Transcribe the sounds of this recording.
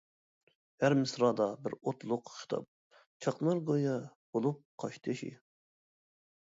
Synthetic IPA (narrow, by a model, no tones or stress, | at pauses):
hæɾmɪsɾɑd̪ɑbɪɾot̪lˠʊqʃt̪ʰɑ̰p̚ | t͡ʃʰɑqnɑɾɡojɑb̥olˠup̚qʰɑʃt̪ʰɨʃḭ